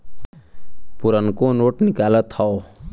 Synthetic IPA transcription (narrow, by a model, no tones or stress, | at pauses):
puɾənkonoːʈnɪkaːlət̪hɔo